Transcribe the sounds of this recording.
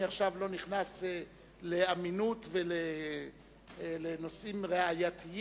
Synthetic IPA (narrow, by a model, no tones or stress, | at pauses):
iaχʃavlo̞niχnase | le̞aminutvele | leno̞simʁeajatʰi